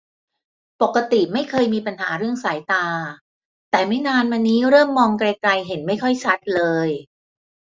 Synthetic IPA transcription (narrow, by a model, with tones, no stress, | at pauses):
po˨˩kːa˧t̪i˨˩ma˥˩jkʰɤː˧jmiː˧pa˧nɦaː˩˦ɾɯ˥˩əŋsaː˩˦jt̪aː˧ | t̪ɛː˨˩ma˥˩jnaː˧nma˧niː˦˥ɾɤː˥˩mːɔː˧ŋkɾa˧jkla˧jɦe˩˦nma˥˩jkʰɔ˥˩jt͡ɕʰa˦˥t̪̚lɤː˧j